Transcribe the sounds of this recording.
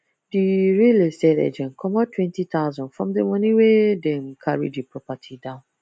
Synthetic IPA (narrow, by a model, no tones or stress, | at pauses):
diɾelesɛdɛ̰d͡ʒɛ̃nkʰɔmɔtʰwɛ̃ntit̪ʰaʊzɔ̃nfɹɔ̃mdemɔ̃nĩwedɛ̃n̩kʰaɹḭdipʰɹɔpatʰidãʊ̃n